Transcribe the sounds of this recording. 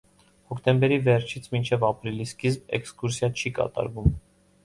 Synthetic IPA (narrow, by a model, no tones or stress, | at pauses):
hɔkt̪ɛmbɛɾivɛɾt͡ʃʰit͡sʰmint͡ʃʰɛvɑpɾiliskizbɛ̰kskuɾsjɑt͡ʃʰikɑ̰t̪ɑ̰ɾvum